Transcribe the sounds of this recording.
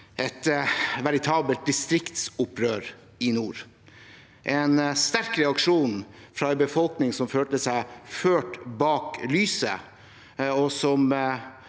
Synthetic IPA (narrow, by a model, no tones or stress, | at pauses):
ʔɛt̪ʋæɾɪt̪ʰɑːbəlt̪̚d̪ɪst̪ɾɪkt̪sʊpʰɾøːɾ | ɪnuːɾ | ʔɛnst̪æɾkɾɛɑkʂuːnfɾɑːɛɪbəfɔlknɪŋsɔmføːt̪əsæɪføːʈbɑːklyːsə̰ | ɔsɔm